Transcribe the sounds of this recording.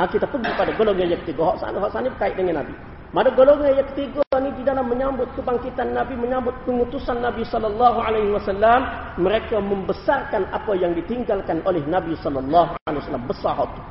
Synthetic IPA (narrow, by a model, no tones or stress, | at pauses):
ʔakit̪apəɡipadaɡolɔŋɲajakə̥t̪iɡɔɦɔʔsa̰nɦɔʔsanibəkaɪʔdəŋanːabḭ | madaɡolɔŋajakə̥t̪iɡanididalamːəɲambʊt̪̚kəbaŋkit̪anːabiməɲambʊt̪̚pəŋut̪usanːabisɔlːɔlːɑɦualajɦiwasalːamː | əɾekaməmbəsarkana̰pajaŋdit̪iŋɡalkanʔolɛhnabisɔlːɔlːɑɦua̰lewasalːambəsaɦɔt̪u